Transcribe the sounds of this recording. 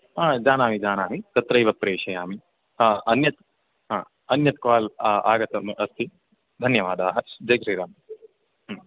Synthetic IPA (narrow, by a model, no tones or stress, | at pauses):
aːd͡ʒaːnaːmid͡ʒaːnaːmit̪ɐt̪ɾɐjʋɐpːɾeːʂɐjaːmi | aɐnjɐt̪ | ɦaː | ɐnjɐt̪kaːla̰ːɡɐt̪ɐmɐst̪ʰi | d̪ʱɐnjɐʋaːd̪aːɦɐd͡ʒɐjɡɾiːɾaːm